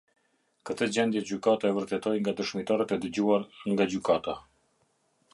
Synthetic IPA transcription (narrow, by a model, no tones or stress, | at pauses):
kət̪əd͡ʑɛnd̪jɛd͡ʑykat̪aɛvəɾt̪ɛt̪ɔjŋɡad̪əʃmit̪aɾat̪ɛd̪əd͡ʑuaɾŋɡad͡ʑykat̪a